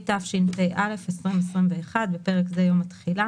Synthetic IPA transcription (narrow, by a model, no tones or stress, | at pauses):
tafʃinpejʔale̞fesʁimesʁimveːχad̪bepe̞ʁekzejomat̪χila